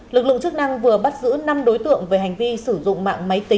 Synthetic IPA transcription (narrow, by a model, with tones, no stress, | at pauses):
lɨ˨˩k̚lɨ̰˧˨ŋt͡ɕɨ˦˥k̚na˧ŋvɨ˨˩əɓa˦˥t̚zɨ̰˧˥na˧mɗo˨˦jt̪ɨ̰˧˨əŋveː˨˦ɦa˨˩jŋ̟vi˧sɨ˧˩zʊ̰˧˨ŋ͡mma̰ː˧˨ŋma˨˦jt̪i˨˦